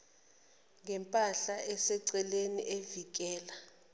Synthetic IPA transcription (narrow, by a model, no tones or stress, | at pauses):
ŋɛmpʼaɬaʔɛsɛǀɛleniʔevik̬ʼɛːla